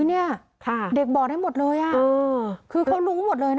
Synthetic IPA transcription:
ni˥˩ɐ | kʰa˧˩de˨˩k̚bɔː˨˩a˥˩jmo˨˩t̪̚lɤː˧jʔaː˨˩ɤː˧kʰɯː˧kʰa˦˥˩wluː˦˥˦mo˨˩t̪̚lɤː˧jna˦

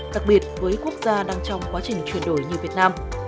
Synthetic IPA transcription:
ɗa˨˩k̚ɓi˨˩ət̚vəː˨˦jku˦˥ək̚zaː˧ɗaː˧ŋt͡ɕɔ˧wŋ͡mkwaː˨˦t͡ɕï˨˩ŋ̟t͡ɕwi˧˩ənɗo˧˩jɲi˨˩vi˨˩ət̚naː˧m

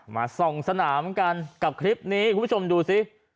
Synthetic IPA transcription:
ma̰ː˧sɔ˨˩ŋsa˧naː˩˦mka˧nka˨˩p̚kʰɾi˦˥p̚niː˦˥ʔkʰːt͡ɕʰo˧mduː˧si˦˥

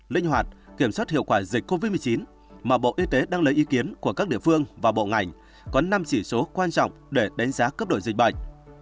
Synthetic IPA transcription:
lï˧ŋ̟ɦwaː˨˩t̚ki˧˩əmswa˦˥t̚hḭ˧˨əwkwaː˧˩zï˨˩k̟̚ko˧vi˦˥t̚m˨ə˨˩t͡ɕi˨˦n | maː˨˩ɓo̰˧˨ʔi˧t̪e˨˦ɗaː˧ŋlə˨˦jʔi˨˦ki˨˦ənku˧˩əkaː˦˥k̚ɗḭ˧əfɨ˧əŋvaː˨˩ɓo̰˧˨ŋa˨˩jŋ̟ | kɔ˨˦na˧mt͡ɕi˧˩so˨˦kwaː˧nt͡ɕɔ̰˧˨wŋ͡mɗe˧˩ɗa˨˦jŋ̟zaː˨˦kə˦˥p̚ɗo̰˧˨jzï˨˩k̟̚ɓə̰˧˨jŋ̟

